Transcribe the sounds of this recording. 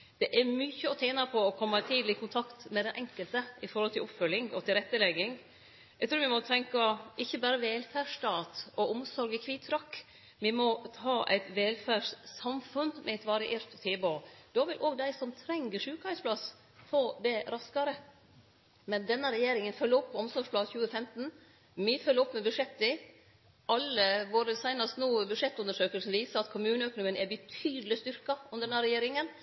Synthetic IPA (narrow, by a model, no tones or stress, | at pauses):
d̪̥ɛʔæɾmʏçəɔt̪ʰæːnɑpʰɔɔkʰɔmːɑt̪ʰiːd̪lɪkʰʊnt̪ʰɑkt̪mɛd̪ɛnʔɛŋkəlt̪əɪfɔɾhɔlt̪ʰɪlɔpfœlːɪŋɔt̪ʰɪlɾɛt̪ːəlɛɡɪŋ | æɡt̪ɾʉːɾʋɪmɔt̪ʰɛŋkɑʔɪçːəbæːɾəʋɛlfæːʂt̪ɑːt̪ɔʊmsɔɾɡəkʰʋiːt̪ʰːɾɑkː | ʋɪmɔt̪ʰɑːʔæ̰ɪt̪ʋɛlfæːʂsɑmfʉnmʔɛɛɪt̪ʋɑɾɪʔeːɾt̪ʰːeːboːd̪̥ɑːʋɪlʔoːɡd̪æɪsɔmt̪ʰɾɛŋɡəʂʉːkɑɪspʰlɑs | foːd̪ɛɾɑskɑɾə | mɛnd̪ɛnːəɾɛjeːɾɪŋənfœlːəɾɔpʰːɔɔmsɔʂpʰlɑːd̪çʉːəfɛmt̪n̩ | mɪfœlːəɔpːmɛbʉʂɛt̪ːɪ | ɑlːəʋoːɾəsæɪnɑst̪nuːbʉʂɛt̪ːʉnəʂøːkəlsn̩ʋiːsəɾɑt̪kʰʊmʉːnəœknʊŋənæbət̪ʰyːd̪əlɪst̪ʏɾkɑʔʊnd̪əɾɛnæɾɛjeːɾɪŋən